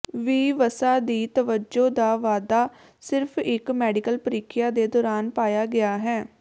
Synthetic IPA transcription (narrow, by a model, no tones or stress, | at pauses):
ʋiːʋəsaːd̪iːt̪əʋəd͡ʒoːd̪aːʋaːd̪aː | sɪɾpʰɪkmɛːɖɪkəlpəɾiːkʰɪjaːd̪eːd̪ɔːɾaːnpaːjaːɡɪaːɦɛː